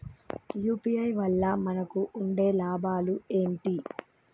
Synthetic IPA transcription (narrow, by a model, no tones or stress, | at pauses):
juːpiɐjʋɐlːɐmɐnɐkuuɳɖeːlaːbʱaːlueːɳʈi